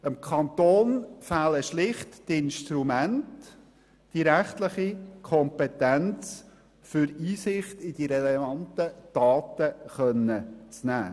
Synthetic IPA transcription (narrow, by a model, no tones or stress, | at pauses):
əmkʰɑnt̪oːnfæləʃlɪχtːɪnʃtɾumæntː | iɾæχtlɪχikʰɔmpɛtænt͡s | fʏɾiːsɪχtɪd̥iɾɛlɛvɑntəd̥ɑːtəχœnːət͡snæ̰ː